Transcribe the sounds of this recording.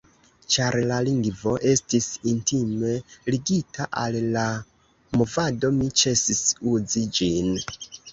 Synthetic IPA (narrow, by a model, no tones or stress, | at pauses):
t͡ʃaɾlaliŋɡvo̞ʔe̞stisintime̞liɡitʰaʔalla | mo̞vado̞mit͡ʃe̞sisuzid͡ʒin